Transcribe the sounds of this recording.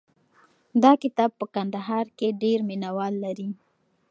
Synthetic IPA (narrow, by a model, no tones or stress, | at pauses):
d̪ɑkɪt̪ɑb̚pəkand̪aɦɑɾkeɖeɾminawɑlːaɾi